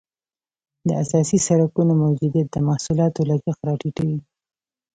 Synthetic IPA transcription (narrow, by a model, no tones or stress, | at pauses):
d̪əasɑsisaɾakunomawd͡ʒud̪ijat̪̚d̪əmahsulɑt̪olazaxɾɑʈiʈawi